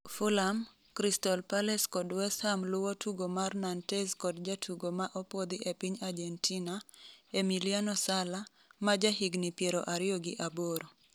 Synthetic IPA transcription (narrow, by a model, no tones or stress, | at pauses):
fulam | kɾistɔlpalɛskɔdwɛshamlʊwɔtʰuɡomarnantɛskɔdd͡ʒatʰuɡomaʔɔpɔd̪ɪʔepiɲad͡ʒɛntinaemilianɔsala | mad͡ʒaɦiɡnipjeɾɔ̰ʔaɾɪjoɡɪʔaboɾo